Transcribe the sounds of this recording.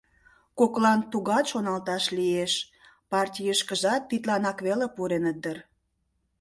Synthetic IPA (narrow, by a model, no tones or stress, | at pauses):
koklɑnt̪uɣɑt̪ʃonɑlt̪ɑʃlieʃ | pɑrtʲijəʃkəʒɑt̪ːit̪lɑnɑkβelepuɾenəd̪ər